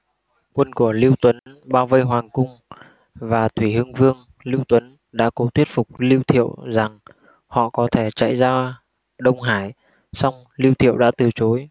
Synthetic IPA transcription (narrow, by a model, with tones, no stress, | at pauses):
kwə˧nku˧˩əli˧wt̪wə˨˦nɓaː˧wvə˧jɦwaː˨˩ŋkʊ˧ŋ͡m | vaː˨˩t̪ʰwi˧˩hɨ˧əŋvɨ˧əŋ | li˧wt̪wə˨˦n | ɗa̰ː˧˥ko˨˦t̪ʰwi˦˥ət̚fʊ˨˩k͡p̚li˧wt̪ʰḭ˧˨əwza˨˩ŋ | hɔ̰˧˨kɔ˨˦t̪ʰe˧˩t͡ɕa̰˧˨jzaː˧ | ɗə˧wŋ͡mɦaː˧˩j | sa˧wŋ͡m | li˧wt̪ʰḭ˧˨əwɗa̰ː˧˥t̪ɨ˨˩t͡ɕo˨˦j